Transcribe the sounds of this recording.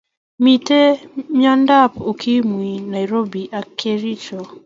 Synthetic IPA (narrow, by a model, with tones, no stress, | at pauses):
mi˨te˦ɲa˦nda˦po˨kʰi˦mwi˨na˨jɾo˦bi˨ʔa˨kʰe˦ɾi˦t͡ʃo˨